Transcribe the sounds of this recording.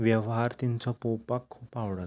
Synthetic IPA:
ʋjɛʋɦaɾt̪int͡sɔpopakʰːuːpaʋɽat̪

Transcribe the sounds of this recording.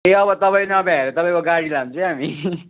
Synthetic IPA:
eʌbʌt̪ʌpaĩnʌbʱãeɾot̪ʌpaĩkoɡaɽilamnt͡sʰʌɦami

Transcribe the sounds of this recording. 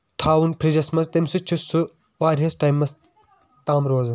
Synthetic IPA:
t̪ʰaːʋunpʰɾid͡ʒɐsmɐst̪ɐmsut͡ʃʰusu | ʋaːɾiɦɐsʈaːjmːɐs | t̪aːmɾoːz

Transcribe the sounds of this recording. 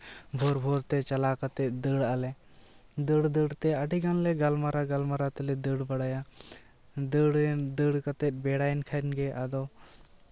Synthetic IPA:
bʱɔɾbʱɔɾt̪ɛt͡ʃalakat̪ɛt̪̚d̪əɽalɛ | d̪əɽd̪əɽt̪ɛəɖiɡanlɛɡalmaɾaɡalmaɾat̪ɛlɛd̪əɽbəɽaja | d̪əɽd̪əɽkat̪ɛt̪̚ˀbɛɽajnkʰanɡɛʔad̪ɔ

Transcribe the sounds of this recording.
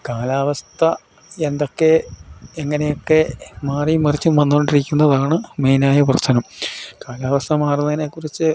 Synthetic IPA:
kaːlaːʋɐst̪ʰɐ | end̪o̞kːe̞eŋːɐne̞jo̞kːe̞maːrijumːɐrit͡ɕːumʋɐnːukoɳɖiɾikʲːunːɐðaːɳɨmejnaːjɐp̬rɐɕɐnɐmkaːlaːʋɐst̪ʰɐmaːrunːɐɐnekːurit͡ɕːɨ

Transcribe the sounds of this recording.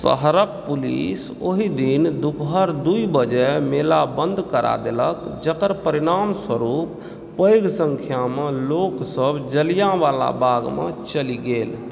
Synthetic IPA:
sə̰ɦɾəkpulḭs | oɦid̪ind̪ukɦəɾd̪uibəd͡ʒɛmelabə̃nd̪ʱkəɾʔa̰d̪eləkd͡ʒəkəɾpəɾiɾaːmswəɾupː | əjɡsə̃ŋkʰjamẽloksəbd͡ʒəlijaʋala̰bʱaɡmḛ̃t͡ʃəliɡeːl

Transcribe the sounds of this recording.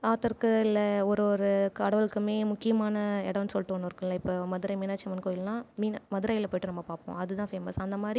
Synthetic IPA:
aːt̪ɐɾkːɯɪlːɐɔɾɔɾɯkɐɽɐʋɐɭɯkːɯmeːmʊkːɪjɐmaːnɐɛɽɐʋnsɔlʈːɯʋɐnːɪɾɯkːɐ̃lːɐɪpːoːmɐðɯɾɐːjmiːnaːt͡ʃːɐmɐnkoːjɪlnãːmiːnmɐðɯɾaːjɪlpoːjʈːɯnɐmːɐpaːɾpõ̰ːɐðɯt̪ãːfeːmɐsɐnd̪ɐmaːd̪ɾi

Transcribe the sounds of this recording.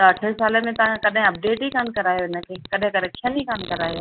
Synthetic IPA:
ɐʈʰesaːlemẽt̪ɐʋ̤ãkɐɗɦɪ̃ɐp̚ɖeːʈikaːnkɐɾaːjoɪnə̆kʰeːkɐɗɦẽkɐɗekʃənikaːnkɐɾaːjoː

